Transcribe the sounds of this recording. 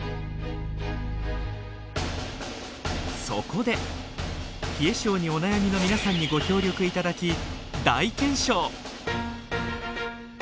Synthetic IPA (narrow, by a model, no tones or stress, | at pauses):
so̞ko̞d̪e̞ | çʲie̞ɕo̞ːɲ̟io̞najamʲino̞mʲinasãɲ̟ːiɡo̞kʲo̞ːɾʲo̞kɯ̟it̪ad̪akʲid̪ait̪ẽ̞ɰ̃ɕo̞ː